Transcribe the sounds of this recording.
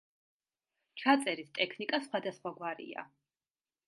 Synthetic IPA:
t͡ʃʰat̪sʼɛɾist̪ʼɛkʰnikʼasχwad̪asχwaɡwaɾḭa̰

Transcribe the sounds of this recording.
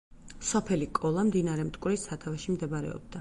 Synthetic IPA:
sɔpʰɛlikʼɔlˠamd̪inaɾɛmt̪ʼkʼwɾisat̪ʰavaʃimd̪ɛbaɾɛ̰ɔ̰b̚d̪a

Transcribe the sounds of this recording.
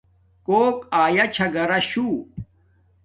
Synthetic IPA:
koːkaːjat͡ɕʰɐɡɐɾɐɕuː

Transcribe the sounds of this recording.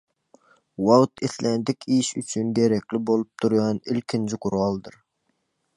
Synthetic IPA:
wɑwt̪ʰeθlɛnd̪ɪkʲʰiʃyt͡ʃʰynɡʲeɾɛkʲlɪbolˠup̚t̪ʰuɾɡɑnilkʲʰind͡ʒʰɪqʰʊɾɑlˠd̪ɨɾ

